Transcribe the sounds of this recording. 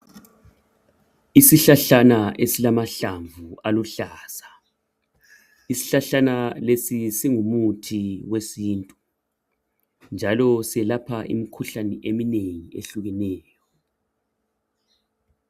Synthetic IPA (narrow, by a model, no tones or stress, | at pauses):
isiɬaɬanaʔesilamaɬaɱvʱualuɬaːsa | isi̥ɬaɬanalesisiŋumutʰiwesiːntʼu | nd͡ʒʱalɔsiɛlapʰaʔḭmikʰuɬanɛʔemineŋieɬuɣɛnɛːjɔ